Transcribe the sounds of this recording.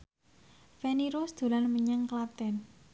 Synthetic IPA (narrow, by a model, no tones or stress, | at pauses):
fɛniɾosd̪̥o̤lanməɲəŋklap̚t̪ɛn